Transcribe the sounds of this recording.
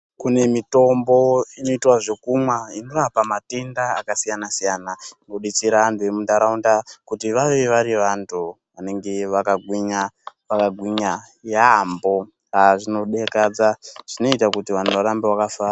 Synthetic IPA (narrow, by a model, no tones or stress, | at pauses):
kune̞mito̞mbo̞ino̞itwaʐe̞kumwainorapamate̞nda̰ːkasijanasijaːnanoɗit͡siɾantʰue̞mundaɾaundakutiʋaʋeʋeʋaɾiʋantʰu | ʋane̞ŋɡe̞ʋakaɡʱwiɲaʋakaɡʱwiɲa | jambo̞ | ɦaʐino̞ɗekad͡zaʐ̥ino̞itakutiʋantuʋaɾambewakafaːra